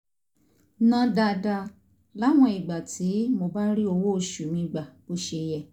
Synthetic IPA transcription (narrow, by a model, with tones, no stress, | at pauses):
nã˧˦da˧da˧ | la˨˦˨w̃ɔ̃˧i˨ɡ͡ba˨tʰi˨˦mo˧ba˦ɾi˦o˧wo˦o˧ʃu˨mĩ˧ɡ͡ba˨bo˦ʃe˧jɛ˦˨